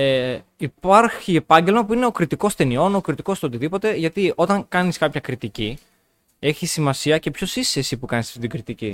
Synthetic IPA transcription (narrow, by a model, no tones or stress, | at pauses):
eipɐɾçiepɐɲɟe̞lmɐpuine̞okɾit̪iko̞st̪e̞nio̞nokɾit̪iko̞st̪eo̞t̪iðipo̞t̪e̞ʝɐt̪io̞t̪ɐŋkɐniskɐpçɐkɾit̪ici | e̞çisimɐsiɐce̞pço̞sisesipukɐnisɐ̥ft̪it̪iɡɾit̪ici